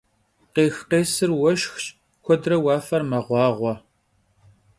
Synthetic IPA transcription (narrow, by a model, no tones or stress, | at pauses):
qeːxqeːsɨrwɐʃxɕʼ | kʷɔdrɐwɑːfɐrmɐʁʷɑːʁʷɔ